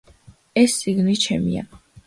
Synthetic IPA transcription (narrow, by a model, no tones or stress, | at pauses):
ɛst̪sʼiɡnit͡ʃʰɛmḭa̰